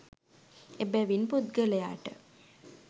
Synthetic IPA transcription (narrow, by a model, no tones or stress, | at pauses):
ebæʋinpud̪̚ɡəleja̰ːʈə